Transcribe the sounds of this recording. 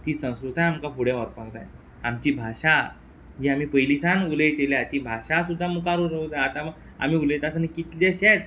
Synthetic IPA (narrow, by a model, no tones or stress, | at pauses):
t̪iːsə̃w̃skɾut̪ʰajamkapuɽjaʋəɾpãŋkd͡za̰j | amt͡ɕiːbʱaɕa | d͡ʑiːamiːpəjlisanuləjt̪eljat̪iːbʱaɕasud̪ʱːamukaɾuɾəud̪aat̪aməɡ | a̰m̤iːuləjt̪asənikit̪leɕet͡s